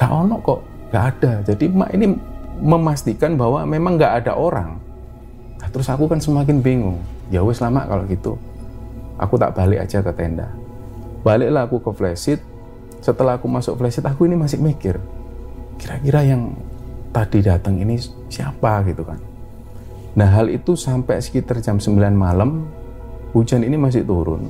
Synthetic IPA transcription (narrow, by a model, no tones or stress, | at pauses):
ɡ̥a̰ʔonɔʔkɔʔ | ŋɡaʔad̥ad͡ʒadima̰ʔiniməmast̪ikanbawamemaŋɡaʔada̰ʔoɾa̰ŋ | nat̪əɾʊsakukansəmak̬ɪnbiŋuŋjawesəlama̰ʔka̰loʔɡit̪ṵ | ʔa̰kut̪a̰ʔb̥alɪka̰̥d͡ʒakət̪ɛnda̰ | b̥alɪʔlaːkukəflɛsɪt̪̚ | sət̪əlakumasʊk̚flɛsɪt̪akuinimasɪʔmikɪr | kiɾakiɾajaŋt̪ad̥idat̪əŋini | siapaɡit̪uka̰n | naɦalḭt̪usampɛsə̥kit̪ərt͡ʃamsəmbilanmaləm | ud͡ʒaninimas̬ɪʔt̪uɾʊ̰n